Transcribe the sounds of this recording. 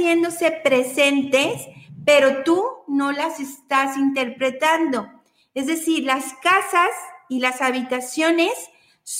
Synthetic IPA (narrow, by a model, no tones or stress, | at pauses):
je̞nd̪o̞se̞pɾe̞se̞nt̪e̞spe̞ɾo̞t̪uno̞lase̞st̪asint̪e̞ɾpɾe̞t̪and̪o̞ | e̞zðe̞siɾlaskasasilasaβit̪asjo̞ne̞sː